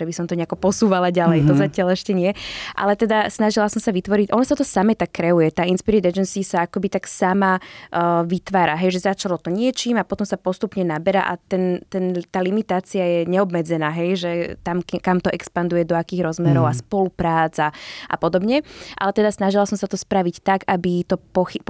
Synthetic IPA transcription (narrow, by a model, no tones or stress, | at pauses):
ɛbisɔmt̪ɔɲɛakɔpɔsuːʋalaɟalɛjt̪ɔzacɪalɛʃcɛɲɪɛʔa̰lɛt̪ɛd̪asnaʒilasɔmsaʋit̪ʋɔɾiɟʔɔnɔsat̪ɔsamɛt̪akːɾɛujɛt̪aːinspiɾɛd̪ɛd͡ʒɛnsiːsaakɔbit̪aksama | ʋit̪ʋaːɾaɦɛjʒɛzat͡ʃalɔt̪ɔɲɪɛt͡ʃiːmapɔt̪ɔmsapɔst̪upɲɛnabɛɾa̰ʔa̰t̪ɛnt̪ɛnt̪aːlimit̪aːt͡siajɛɲɛɔbmɛd͡zɛnaːɦɛjʒɛt̪amkamt̪ɔʔɛkspand̪ujɛd̪ɔakiːɣɾɔzmɛɾɔʊaspɔlupɾaːd͡zaʔa̰pɔd̪ɔbɲɛʔa̰lɛt̪ɛd̪asnaʒilasɔmsat̪ɔspɾaʋict̪aɡabit̪ɔpɔxi